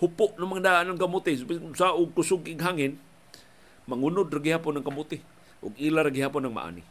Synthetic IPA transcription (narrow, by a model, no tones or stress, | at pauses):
hʊpʊʔnomaŋdaʔanaŋkamut̪isaʔʊɡ̚kʊsʊɡiɡɦaŋɪn | maŋunʊdraɡihapʊnaŋkamut̪ɪ | ʔʊ̰ɡilaɾaɡiɦaːpʊnaŋma̰ʔa̰nḭ